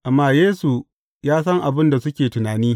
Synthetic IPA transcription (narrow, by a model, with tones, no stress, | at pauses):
ʔa˨mːaː˦jeː˦su˨ | jaː˦s̬ɐ˦ŋʔa˨bɪ˦nda˨sʊ˦kʲeː˨tʊ˨naː˨niː˦